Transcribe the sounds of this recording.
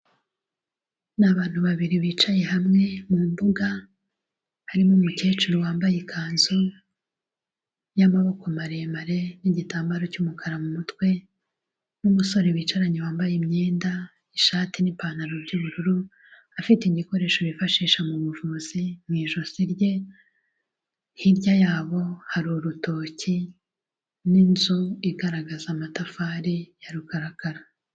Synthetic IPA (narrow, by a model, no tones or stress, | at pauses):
naβaːn̥huβaβiɾiβiːt͡ʃaje̞ɦamŋe̞mumbuɡa | haɾimomuce̞ːt͡ʃuɾowaːmbajekʰaːnzo | jamaβo̞komaɾeemaɾe̞niɟitaːmbaɾo̞cumukʰaɾamumutkwe̞ | numuso̞ɾeβiːt͡ʃaɾaɲewaːmbajemɲe̞ːnda | iʃaːtinipaːnaɾobɟuβuɾuɾu | afiteiɟiko̞ɾe̞ːʃoβifaʃiːʃamuβuvuːz̥imwiːʒo̞ziɾɟe̞ | hiɾɟajaːβo̞haɾuɾuto̞ːci | ninzuiɡaɾaɡazamatafaːɾijaɾukaɾakaɾa